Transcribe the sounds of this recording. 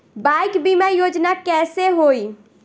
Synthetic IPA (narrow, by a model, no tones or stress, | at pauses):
bajkbimajod͡ʒnakɛseɦoj